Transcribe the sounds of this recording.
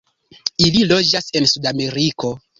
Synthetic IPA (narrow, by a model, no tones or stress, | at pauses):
ililo̞d͡ʒase̞nsudame̞ɾiko̞